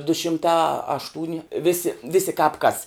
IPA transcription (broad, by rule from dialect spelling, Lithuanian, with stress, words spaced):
dʊ ʃʲɪmˈtɐ ɐʃˈtuːnʲɪ ˈʋʲɪsʲɪ ˈʋʲɪsʲɪ kɑːp kɐs